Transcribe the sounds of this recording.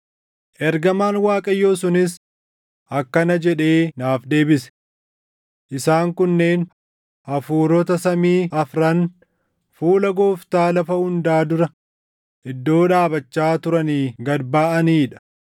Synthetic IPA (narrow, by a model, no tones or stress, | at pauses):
ʔɛɾɡɐmaːnwaːkʼɐjːo̞ːs̬ʊnɪs̬ | ʔɐkːɐnɐd͡ʒɛᶑe̞ːnaːfd̪e̞ːbɪsɛ̥ | ʔɪsaːŋkʊnːe̞ːn | ɐfuːɾɔt̪ɐsɐmiːʔɐfɾɐn | fuːlɐɡoːft̪aːlɐfɐhʊnd̪aːd̪ʊɾɐ | ʔɪd̪ːo̞ːᶑaːbɐt͡ʃːaːt̪ʊɾɐniːɡɐdbaːʔɐniːᶑɐ̥